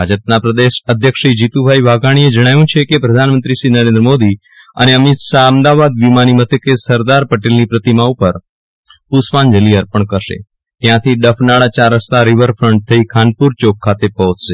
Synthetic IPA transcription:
bʱad͡ʒəp̚napɾəd̪eʃəd̪ʱjəkʃid͡ʒit̪ubʱaibʱaɡaɽ̃ied͡ʒəɽ̃ajũt͡ʃʰekepɾəd̪ʱanmənt̪ɾiʃinəɾẽnd̪ɾəmod̪i | ə̰neəmɪt̪ʃaəmd̪aʋad̪ʋimanimət̪ʰəkesəɾd̪aɾpəʈelnipɾət̪imaupəɾ | pusʋand͡ʒəliəɾpəɳkəɾʃḛ | t̪jãt̪ʰiɖəfʰnaɭat͡ʃaɾəst̪aɾiʋəɾfɾəɳʈ̚t̪ʰəikʰanpuɾt͡ʃokʰːat̪epɔɦɔt͡ʃʃe

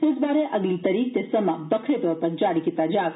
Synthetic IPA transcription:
ɪsbaːɾeʔɐɡlit̪ɐɾiːk̚t̪esɐmabɐkʰɾet̪ɔːɾpɐɾd͡ʒaːɽikɪt̪ad͡ʒaːʋ

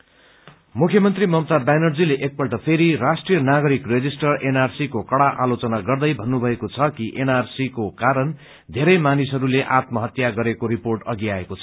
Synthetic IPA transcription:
mukʰjʌmʌnt̪rimʌmt̪abanʌrd͡zileʔek̚pʌlʈʌpʰeɾiɾasʈrijʌnaɡʌɾikred͡zisʈʌrenarsikokʌɽaʔalot͡sʌnaɡʌrd̪ʌjbʱʌnːubʱʌekot͡sʰʌkiʔenarsikokaɾʌn | d̪ʱeɾʌjmanisɦʌɾuleʔat̪mʌɦʌt̪jaɡʌɾekoɾiporʈʌɡiaekot͡sʰʌ̥

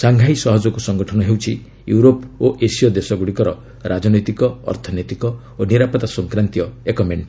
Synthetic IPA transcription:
saŋɡʱajsɔɦɔd͡ʒɔkusɔŋɡɔʈʰɔnɔɦewt͡ʃʰi | juɾopoʔesiɔd̪esɔɡuɽikɔɾɔ | ɾʔad͡ʒɔnɔjt̪ikɔɔ̰ɾt̪ʰɔnɔjt̪ikɔ | oniɾapɔt̪asɔŋkɾant̪ijɔekɔmeɳʈ

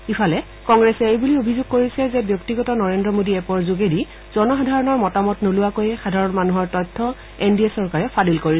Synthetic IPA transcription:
ifʰalɛ | kɔŋɡɹɛsɛejbuliobʱizoɡ̚koɹisɛzɛbjɔktiɡɔtɔnɔɹendɹɔmodiɛpɔɹzuɡedi | z̥ɔnɔxadʱaɹɔnɔɹmɔtamɔtnolʊwakojɛxadʱaɹɔnmanuɦɔɹtɔjtʰːɔ | endiesɔɹkaɹɛpʰadilkoɹisɛ

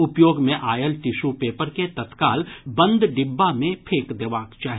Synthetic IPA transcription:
ʊpjoːɡmẽʔaːjəlʈ̪ɪʃupeːpəɾket̪ət̪kaːlbɐ̃nd̪ɖɪbːamẽpʰeːkd̪eːʋaːkt͡ʃaːɦi

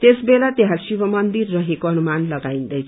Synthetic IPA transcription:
t̪esbelat̪eɦãsibʌmʌnd̪irːʌɦekoʌnumanlʌɡaĩnd̪ʌjt͡sʰ

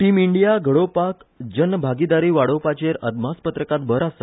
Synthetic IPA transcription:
ʈimiɳɖijaɡʱəɽopakd͡ʑənbʱaɡid̪aɾiːʋaɽowpat͡ɕeɾəd̪m̤aspət̪ɾəkat̪bʱəɾasa

